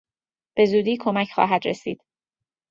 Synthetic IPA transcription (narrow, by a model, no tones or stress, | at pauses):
b̥e̞zuːd̪iːkʰo̞mæcʰxɒ̰ːɦæd̪ɾesḭːd̪̥